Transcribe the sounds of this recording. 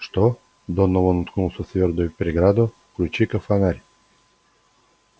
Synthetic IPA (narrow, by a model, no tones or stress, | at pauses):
ʂt̪o | d̪ɔnːɔvonʊt̪knulˠsɔt̪vʲeɾd̪ʊjʊpʲɾʲɪɡɾad̪ʊ | kɾʲʊt͡ɕikəfanaɾʲ